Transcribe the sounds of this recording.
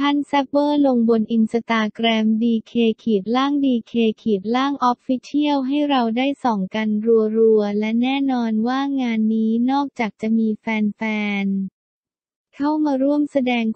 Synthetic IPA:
t̪ʰa˥˩nsɛ˦˥p̚bɤː˥˩lo˧ŋbo˧nʔi˧nsa˧t̪aː˧kɾɛː˧mdiː˧kʰeː˧kʰiː˨˩t̪̚laː˥˩ŋdiː˧kʰeː˧kʰiː˨˩t̪̚laː˥˩ŋʔɔ˦˥p̚fi˦˥t͡ɕ̪ʰi˥˩əwɦa˥˩jɾa˧wdaː˥˩jsɔː˩˦ŋka˧nɾu˧ɐɾu˧ɐlɛ˦˥nɛː˥˩nɔː˧nwaː˥˩ŋaː˧nːiː˦˥nɔː˥˩k̚t͡ɕaː˨˩k̚t͡ɕa˨˩miː˧fɛː˧nfɛː˧n | kʰa˥˩wmaː˧ɾu˥˩əmsa˧dɛː˧ŋ

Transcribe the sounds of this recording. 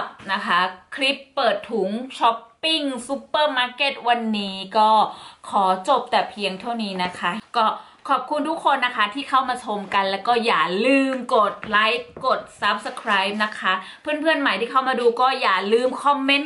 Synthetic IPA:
p̚na˦˥kʰa˦˥kʰli˦˥pːɤː˨˩t̪ʰːu˩˦ŋt͡ɕʰɔ˦˥pːi˥˩ŋsu˦˥pːɤː˥˩maː˧ke˨˩t̪̚wa˧nːiː˦˥kɔː˥˩kʰɔː˩˦t͡ɕo˨˩p̚t̪ɛː˨˩pʰi˧əŋt̪ʰa˥˩wniː˦˥na˦˥kʰa˦˥kɔː˥˩ | kʰɔː˨˩p̚kʰu˧nt̪ʰu˦˥kʰːo˧nːa˦˥kʰa˦˥t̪ʰiː˥˩kʰa˥˩wmaː˧t͡ɕʰo˧mka˧nlɛː˦˥wkɔː˥˩jaː˨˩lɯː˧mko˨˩t̪̚la˦˥jkːo˨˩t̪̚sa˦˥p̚sa˧kʰɾaː˦˥jp̚na˦˥kʰa˦˥pʰɯː˥˩npʰɯ˥˩ənma˨˩jt̪ʰiː˥˩kʰa˥˩wmaː˧duː˧kɔː˥˩jaː˨˩lɯː˧mkʰɔ˧mːe˦˥n

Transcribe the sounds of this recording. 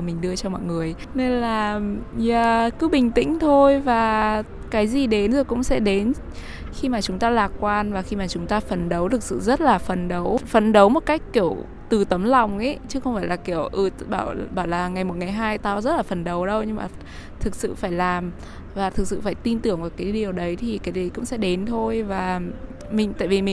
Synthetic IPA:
mï˨˩ŋ̟ɗɨ˧ət͡ɕɔ˧mɔ̰˧˨jŋɨ˨˩əj | ne˧nlaː˨˩zaː˨˩kɨ˨˦ɓï˨˩ŋ̟t̪ḭ̈˧˥ŋ̟t̪ʰo˧jvaː˨˩ | kaː˨˦jzi˨˩ɗe˨˦nzɨ˨˩kʊ̰˧˥ŋ͡msɛ̰˧˥ɗe˨˦n | xi˧maː˨˩t͡ɕʊ˨˦ŋ͡mt̪aː˧laː˨˩kkwaː˧nvaː˨˩xi˧maː˨˩t͡ɕʊ˨˦ŋ͡mt̪aː˧fə˨˩nɗə˨˦wt̪ʰɨ˨˩k̚sɨ̰˧˨zə˦˥t̚laː˨˩fə˨˩nɗə˨˦wfə˨˩nɗə˨˦wmo˨˩t̚ka˦˥jk̟̚ki˧˩əw | t̪ɨ˨˩t̪ə˨˦mla˨˩wŋ͡mʔḛ˨˦t͡ɕɨ˦˥xə˧wŋ͡mfaː˧˩jlaː˨˩ki˧˩əwʔɨ˧˩ɓaː˧˩wɓaː˧˩wlaː˨˩ŋa˨˩jmo˨˩t̚ŋaː˨˩jɦaː˧jt̪aː˧wzə˦˥t̚laː˨˩fə˨˩nɗə˨˦wɗə˧wɲɨ˧ŋmaː˨˩ | t̪ʰɨ˨˩k̚sɨ̰˧˨faː˧˩jlaː˨˩m | vaː˨˩t̪ʰɨ˨˩k̚sɨ̰˧˨faː˧˩jt̪i˧nt̪ɨ˧˩əŋvaː˨˩kaː˨˦jɗi˨˩əwɗə˨˦jt̪ʰi˨˩kaː˨˦jzi˨˩kʊ̰˧˥ŋ͡msɛ̰˧˥ɗe˨˦nt̪ʰo˧jvaː˨˩ | mï˨˩ŋ̟t̪a̰ː˧˨jvi˨˩mï˨˩

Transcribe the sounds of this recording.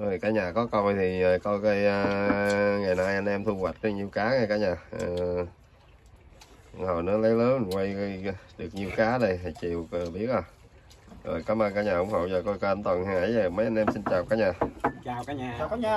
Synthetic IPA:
ʔə˨˧˩jkaː˨˦ɲaː˨˩kɔ˨˦kɔ˧wt̪ʰi˨˩ə˨˩kɔ˧jkaː˨˦jə˧ | ŋa˨˩jna˧jʔa˧nʔɛ˧mt̪ʰu˧ɣwa˨˩t̚ɗə˨˧ɲi˨˩əwkaː˨˦ŋa˧˩kaː˨˦ɲaː˨˩ʔəː˨˩˧ | hɔ̰˧˩wnɨ˨˧˦ələ˨˦jləː˨˦n˨kwa˧jə˧jɗɨ˨˩ək̚ɲi˨˩əwkaː˨˦nə˧˩jɦa˨˩t͡ɕi˨˩əwə˨˩ɓi˦˥ət̚ʔa˨˧˩ | zo̰ː˨˩jkaː˨˦mʔəː˧kaː˨˦ɲaː˨˩ʊ˧˦ŋ͡mhə̰˨˧˩wzəː˨˩kɔ˧jkɔ˧ə˧nt̪wə˨˩nha˧ŋʔaː˧˩˦jzə˨˩mə˨˦jʔa˧nʔɛ˧msi˧nt͡ɕaː˨˩wkaː˨˦˥ɲaː˨˩˨

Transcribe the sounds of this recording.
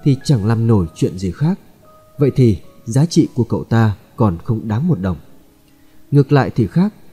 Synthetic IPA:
t̪ʰi˨˩t͡ɕa˧˩ŋla˧mno˧˩jt͡ɕwḭ˧˨ənzi˨˩xaː˦˥k̚ | və̰˧˨jt̪ʰi˨˩zaː˨˦t͡ɕḭ˧˨ku˧˩əkə̰˧˨wt̪aː˧ | kɔ˨˩nxə˧wŋ͡mɗaː˨˦mmo˨˩t̚ɗə˨˩wŋ͡m | ŋɨ˨˩ək̚la̰ː˧˨jt̪ʰi˨˩xaː˦˥k̚

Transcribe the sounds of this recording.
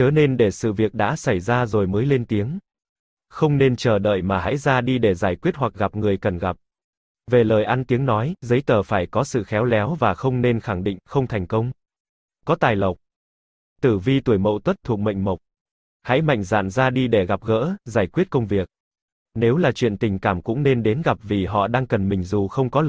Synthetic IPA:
t͡ɕəː˨˦ne˧nɗe˧˩sɨ̰˧˨vi˨˩ək̚ɗa̰ː˧˥sa˧˩jzaː˧zo˨˩jməː˨˦jle˧nt̪i˨˦əŋ | xə˧wŋ͡mne˧nt͡ɕəː˧˩ɗə̰ː˧˨jmaː˨˩ɦa̰˧˥jzaː˧ɗi˧ɗe˧˩zaː˧˩jkwi˦˥ət̚hwa˨˩k̚ɣa˨˩p̚ŋɨ˨˩əjkə˨˩nɣa˨˩p̚ | ve˨˩ləː˨˩jʔa˧nt̪i˨˦əŋnɔ˨˦jzə˨˦jt̪əː˨˩faː˧˩jkɔ˨˦sɨ̰˧˨xɛ˨˦wlɛ˨˦wvaː˨˩xə˧wŋ͡mne˧nxa˧˩ŋɗḭ̈˧˨ŋ̟xə˧wŋ͡mt̪ʰɛ˨˩jŋ̟kə˧wŋ͡m | kɔ˨˦t̪aː˨˩jlə˨˩wk͡p̚ | t̪ɨ˧˩vi˧t̪u˧˩əjmə̰˧˨t̪wə˦˥t̚t̪ʰu˨˩ək̚mə̰˧˨jŋ̟mə˨˩k͡p̚ | ha̰˧˥jma̰˧˨jŋ̟za̰ː˧˨nzaː˧ɗi˧ɗe˧˩ɣa˨˩p̚ɣə̰ː˧˥zaː˧˩jkwi˦˥ət̚kə˧wŋ͡mvi˨˩ək̚ | ne˨˦wlaː˨˩t͡ɕwḭ˧˨ənt̪ï˨˩ŋ̟kaː˧˩mkʊ̰˧˥ŋ͡mne˧nɗe˨˦nɣa˨˩p̚vi˨˩ɦɔ̰˧˨ɗaː˧ŋkə˨˩nmï˨˩ŋ̟zu˨˩xə˧wŋ͡mkɔ˨˦

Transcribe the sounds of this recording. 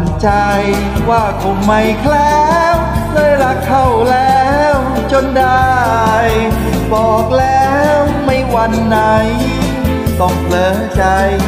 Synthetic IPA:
nt͡ɕa˧j | waː˥˩kʰo˧˦mma˧˩jkʰlɛː˦˥wkʰɤː˧˩jɾa˦˥kʰːa˥˩wlɛː˦˥w | t͡ɕo˧nda˧j | bɔː˨˩k̚lɛː˦˥wma˥˩jwa˧nːa˧˦j | t̪ɔ˥˩ŋpʰlɤː˨˧˥ | t͡ɕa˧j

